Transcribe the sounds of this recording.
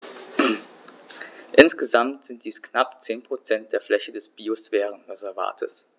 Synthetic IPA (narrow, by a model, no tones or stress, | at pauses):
ʔɪnsɡ̥əzamtz̥ɪnt̚d̥iːsknapt͡seːnpʁ̥ot͡sɛnt̚d̥eːɐflɛçədɛsb̥iosfɛːʁənʁɛzɛɐva̰ːtʰə̰s